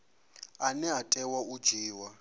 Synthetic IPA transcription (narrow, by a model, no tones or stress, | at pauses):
anɛɦatʼɛwaud͡ʒiːwa